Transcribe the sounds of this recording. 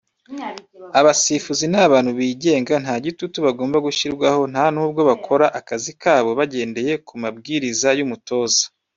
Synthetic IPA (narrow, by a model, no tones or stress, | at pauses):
aβasifuzinaβaːnhuβiːɟe̞ːŋɡanhaːɟitutuβaɡoːmbaɡuʃiɾɡwaho̞n̥haːnuːbɡo̞βakʰo̞ɾaʔakazikʰaːβo̞βaɟe̞ːnde̞je̞kumab̚ɡiːɾizajumuto̞ːzḁ